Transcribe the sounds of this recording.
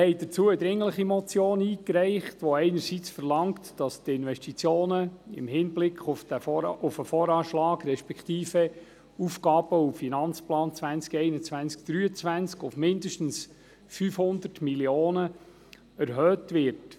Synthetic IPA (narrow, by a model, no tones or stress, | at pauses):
hɛɪd̥ət͡suəəd̪ɾɪŋləχimɔt͡sjoːniːkɾɛɪχtʋɔɛɪnəɾsit͡sfərlɑŋtd̥ɑstɪnʋɛʃtit͡sjoːnəɪ̰mhɪnblɪkχʊfəʊfəfɔːɾɑːʃlɑːɡɾɛʃpɛkχt̪iːfə | ufkɑːb̥əuffinɑnt͡splɑːnt͡sʋænt͡skɛɪnət͡sʋænsk̚d̥ɾyːət͡sʋænt͡skʊfmɪndəʃtn̩s | fyːfhʊnd̪ərtmiljoːnə | æɾɦœːtʋɪɾt